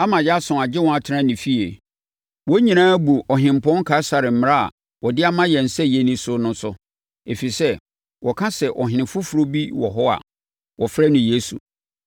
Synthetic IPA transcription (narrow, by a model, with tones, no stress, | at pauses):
a˦mã˨jɛ˦a˦sʊ̃˨a˨d͡ʑɪ˦wɔ̃˨a˨tʰɪ˦ɾã˦nĩ˨fi˦e˨ | wɔ˦ɲĩ˨nãː˦bu˨ɔ˨ɦɪ̃˨m̩˨pʰɔ̃˦ŋ̩˦kʰa˨˦sa˨ɾɪ˨m̩˦m˦ɾa˦a̰˨ | wɔ˨dɪ˦a˦mã˦jɛ˨n̩˨sɛ˦jɛ˦nĩ˦sʊ˦nʊ̃˦sʊ˦ | e˨fi˨sɛ˦ | wʔɔ˨kʰã˦sɛ˨ʔɔ˨ɦɪ̃˨nɪ̃˨fʊ˦fu˨ɾo˦bi˦wɔ̰˨ɦɔ˦a̰˨ | wɔ˨fɛ˦nʊ̃˨je˦su˨